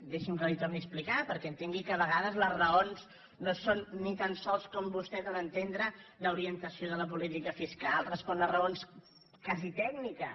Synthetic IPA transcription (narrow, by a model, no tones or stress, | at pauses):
d̪eʃimkəlit̪ɔmisplikapəɾkɛənt̪eŋɡikəβəɣaðəzləzrəonz | nosonːit̪ansɔlˠskɔmbust̪ɛt̪ənənt̪end̪ɾələuɾiənt̪əsioðələpulit̪ikəfiskalˠrəspɔnərəons | kazit̪ɛɡnikə